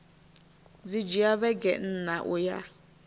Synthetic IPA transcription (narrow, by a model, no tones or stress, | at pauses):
d͡zid͡ʒiaβɛɡɛ̰n̩ːnaʔuja̰